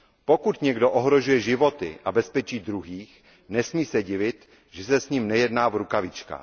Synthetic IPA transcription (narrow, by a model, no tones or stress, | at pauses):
po̞kut̪ɲɛɡdoʔoɦɾoʒujɛʒɪvo̞t̪ɪ̰ʔabɛspɛt͡ʃiːd̪ɾuɦiːx | nɛsmiːsɛɟɪvɪt̪ | ʒ̥ɛsɛsɲimnɛjɛdnaːvɾukavɪt͡ʃka̰ː